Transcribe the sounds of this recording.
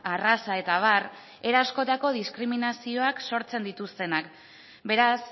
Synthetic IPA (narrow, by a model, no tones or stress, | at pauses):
arasae̞t̪aβ̞ar | e̞ɾasko̞t̪ako̞ð̞iskɾiminasio̞akso̞ɾt͡se̞nd̪it̪ust̪e̞nak | be̞ɾas